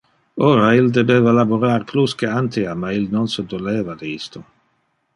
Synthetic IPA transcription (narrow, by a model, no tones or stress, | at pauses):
oːɾaild̪ebeːvalaboɾaːrpluskeant̪iamailnonsed̪oleːvad̪iist̪o